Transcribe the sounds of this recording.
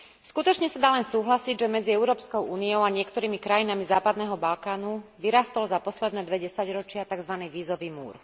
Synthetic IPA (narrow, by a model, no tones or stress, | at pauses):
skut̪ɔt͡ʃɲɛsad̪aːlɛnsuːɦlasiɟʒɛmɛd͡ziɛʊɾɔːpskɔʊʔuːniɔʊaɲɪɛkt̪ɔɾiːmikɾajinamizaːpad̪nɛːɦɔbalkaːnuʋiɾaːst̪ɔlzapɔslɛd̪nɛːd̪ʋɛɟɛsaɟɾɔt͡ʃɪat̪aɡzʋaniːʋiːzɔʋiːmṵːɾ